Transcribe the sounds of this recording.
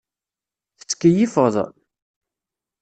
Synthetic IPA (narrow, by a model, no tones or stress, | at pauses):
θə̥t͡sːkːjifəðˤ